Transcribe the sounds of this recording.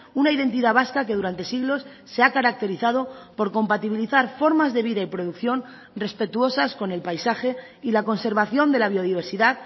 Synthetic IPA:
unaiðe̞nt̪iðaβaskake̞ð̞uɾant̪e̞siɣlo̞sːe̞akaɾak̚t̪e̞ɾiθað̞o̞po̞ɾko̞mpat̪iβiliθaɾfo̞ɾmazðe̞βiðaipɾoð̞ukθjo̞n | re̞spe̞t̪uo̞sasko̞ne̞lpajsaxe̞ | ilako̞nse̞ɾβaθjo̞nd̪e̞laβ̞io̞ðiβ̞e̞ɾsiðað

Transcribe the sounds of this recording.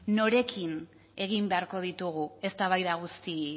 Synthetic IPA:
no̞ɾe̞kin | e̞ɣ̞imbe̞aɾko̞ð̞it̪uɣ̞ue̞st̪aβ̞ajðaɣ̞ust̪i

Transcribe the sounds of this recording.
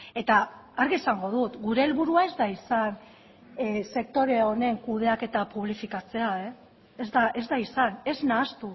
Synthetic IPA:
e̞t̪aːɾɣiesaŋɡo̞ðut̪ɡuɾe̞ːlβuɾuae̞zd̪aisan | se̞k̚t̪o̞ɾe̞o̞ne̞ŋkuð̞e̞ake̞t̪apuβlifikat͡se̞ae̞ː | zd̪aʔe̞zd̪aisane̞znaːst̪u

